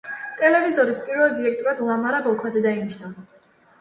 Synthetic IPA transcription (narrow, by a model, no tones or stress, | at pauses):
t̪ʼɛlɛvizɔɾispʼiɾvɛlˠd̪iɾɛk̚ʰt̪ʼɔɾad̪lˠamaɾabɔlˠkʰwad̪zɛd̪ainiʃnava